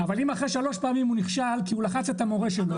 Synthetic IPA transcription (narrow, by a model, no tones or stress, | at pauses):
avalimaχʁeʃalo̞ʃpaamimuniχʃalkiulaχat͡se̞t̪amo̞ʁeʃel